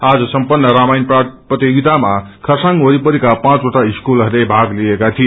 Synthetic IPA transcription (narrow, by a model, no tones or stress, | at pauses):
ad͡zʌsʌmpʌnːʌɾamajnpraprʌt̪jeɡit̪amakʰʌsaŋoɾipʌɾikapãt͡soʈaiskulʌrlebʱaɡliekat̪ʰie